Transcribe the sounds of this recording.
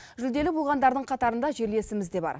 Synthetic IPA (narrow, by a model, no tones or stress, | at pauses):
ʒʏld̪e̞lɪbolˠʁɑnd̪ɑɾd̪əɴqʰɑt̪ɑɾənd̪ɑʒe̞ɾle̞sɪmɪzd̪e̞bɑ̰ɾ